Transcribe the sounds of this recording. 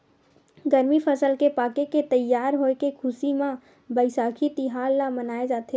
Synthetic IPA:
ɡəɾmipʰəsəlkepaːkeket̪əjːaːɾɦoːekekʰʊsimã | bəɪsaːkʰit̪iɦaːlːamənaːed͡ʒaːt̪e

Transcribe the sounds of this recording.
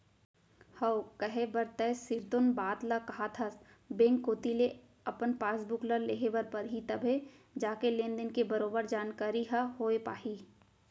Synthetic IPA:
hɐkəɦebɐɾt̪ɛsɪɾt̪ʊnbaːt̪lakɐɦat̪ʰas | bẽːŋkːoːt̪ile | ɐpənpaːsbʊkləɾleːɦebɐɾpɐɾɦit̪ɐbʱe | d͡ʒaːkelẽːnd̪ɪnkebɐɾoːbəɾd͡ʒaːnkaːɾiɦaɦoːepa̰ːhiː

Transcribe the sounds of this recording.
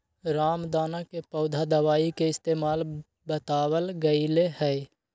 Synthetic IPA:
ɾaːmd̪aːnakepəʊd̪ʱad̪əʋaːikeɪst̪eːmaːl | bət̪aːwəlɡəilehɛː

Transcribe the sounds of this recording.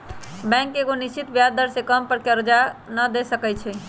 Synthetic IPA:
bɛ̃ŋkeɡonist͡ʃit̪bjad̪d̪əɾsekəmpəɾkeɾəd͡ʒanəd̪esəkɛt͡ʃʰɛ

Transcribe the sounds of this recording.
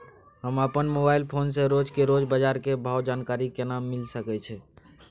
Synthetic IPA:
ɦəməpənmobaːɪlpʰoːnseɾod͡ʒkeɾod͡ʒbəd͡ʒaɾkebʱaːwd͡ʒaːnkaːɾikenamːɪlsəkɛt͡ʃʰɛ

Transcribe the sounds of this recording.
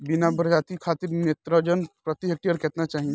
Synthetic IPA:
binabɾd͡ʒaːt̪ikʰaːt̪iɾneːt̪ɾəd͡ʒənpɾɐt̪iɦek̚ʈiəɾkɛːt̪nat͡ʃaːɦi

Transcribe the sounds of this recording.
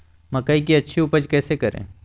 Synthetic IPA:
mɐkaik̬iɐtːʃʰiʊpəd͡ʒkɛːsekɐɾḛ̃ː

